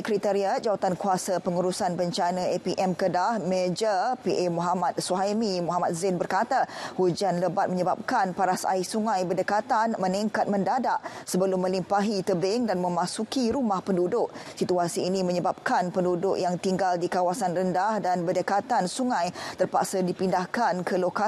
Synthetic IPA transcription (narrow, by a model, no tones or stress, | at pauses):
kɾit̪əɾiat̪̚d͡ʒawat̪ankuasapəŋuɾusanbəɲt͡ʃanə̃epiʔɛmkədahmed͡ʒəpiʔemuɦamat̪̚suaɦaimimɔɦamat̪̚zɪnbərkat̪ahud͡ʒanləbat̪̚mə̃ɲəbap̚kanpaɾasa̰isuŋãjbədəkat̪anmə̃niŋkat̪̚mə̃ndadaʔsəbəlʊmːə̃limpaɦit̪əbɪŋdanmə̃mãsukiɾumahpəndudʊʔsit̪uasiːnĩmə̃ɲəbap̚kanpəndudʊʔjaŋt̪iŋɡaldikawasanrəndahdanbədəkat̪ansuŋãjt̪ərpa̰ksadipindahkankəloka